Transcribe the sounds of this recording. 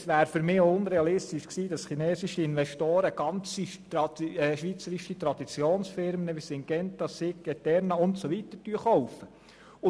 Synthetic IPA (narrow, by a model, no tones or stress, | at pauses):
sʋæːɾfʏɾmɪːʊnɾeɑlɪst̪iʃksiːd̥̪ɑsχinɛːsiʃiɪnʋɛʃtoːɾəɡ̥ɑnt͡sitɾɑɛʃʋit͡səɾiʃit̪ɾɑd̥̪it͡sjoːnsfɪɾmənəʋisɪŋɡ̥ɛnt̪ɑsɪkːɛt̪ɛɾnɑʊntsoʋit̪əɾtyəχɔwfə | ʊ